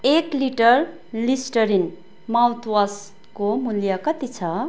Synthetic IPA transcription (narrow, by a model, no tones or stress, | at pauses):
ekliʈʌr | lisʈʌɾin | mawt̪ʰwas | komuljʌkʌt̪it͡sʰʌ